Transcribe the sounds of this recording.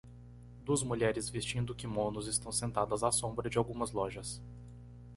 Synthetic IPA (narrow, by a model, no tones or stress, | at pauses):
d̪uɐzmuʎɛɾɪzvist͡ʃĩnd̪ʊkɪmõnʊzɪst̪ɐ̃w̃sẽnt̪ad̪ɐzasõbɾɐd͡ʒɪawɡũmɐzlɔʒɐs